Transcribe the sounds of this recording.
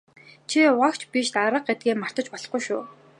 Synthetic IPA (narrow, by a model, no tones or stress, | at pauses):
t͡ɕʰiwakt͡ɕʰpiʃt̪aɾə̆q̚et̪̚ɡeːmar̥t̪ə̆t͡ɕpɔɮɞ̆χɡujʃʊː